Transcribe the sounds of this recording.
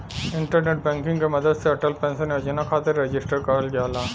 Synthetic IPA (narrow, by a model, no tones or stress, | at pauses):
ɪ̃ɳʈəɾneːʈ̚bɛ̃ːŋkɪ̃ŋɡkemɐd̪əd̪seɐʈəlpɛ̃ːnseneɐd͡ʒɐnakʰaːt̪ɪɾːed͡ʒɪsʈəɾkɐɾəlɡjaːlaː